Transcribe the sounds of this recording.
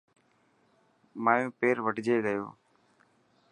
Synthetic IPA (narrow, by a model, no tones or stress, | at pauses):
maːjũːpeːɾʋəʈd͡ʒeːɠəjo̰ː